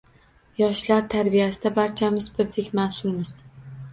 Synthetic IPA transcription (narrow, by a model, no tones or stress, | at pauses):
jɒʃlaɾt̪ʰaɾbijasɪd̪abaɾt͡ʃʰamɪzbɪɾd̪ekʲmasʊlˠmɪz̥